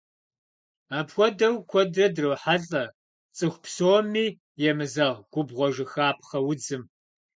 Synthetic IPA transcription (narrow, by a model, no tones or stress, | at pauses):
aːpxʷɔdɐwkʷʰɔdrɐdrɨwħaɮʼɐ | t͡sʼɨxʷpʰsoːmiː | jɛmɨzɐʁɡ̥ʷʊbʁʷɔʒɪxaːp̚ʰχɐwʊd͡zɨm